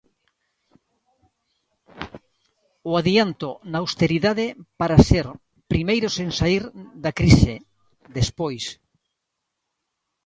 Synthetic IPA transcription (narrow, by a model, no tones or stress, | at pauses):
oaðiant̪onaawst̪eɾiðaðepaɾaseɾ | pɾimejɾoseŋsaiɾðakɾise | ðespojs